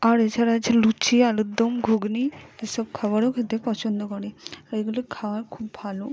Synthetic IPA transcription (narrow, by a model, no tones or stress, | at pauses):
aɾet͡ʃʰaɾat͡ʃʰelut͡ʃʰialud̪ɔmɡʱuɡniesɔb̚kʰabaɽokʰet̪epɔt͡ʃond̪okɔɽiaɾeɡulokʰawaɾkʰubːʱalo